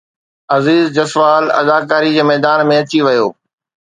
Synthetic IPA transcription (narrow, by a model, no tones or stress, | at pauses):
ɐziːzd͡ʑɐsʋaːlɐ̰d̪aːkaːɾid͡ʑeːmɛːd̪aːnmẽɐt͡ɕiʋɐjoː